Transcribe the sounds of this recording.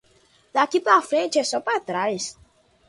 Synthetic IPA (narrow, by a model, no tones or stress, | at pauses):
d̪akip̪afɾẽt͡ʃɛsɔpat̪ɾajs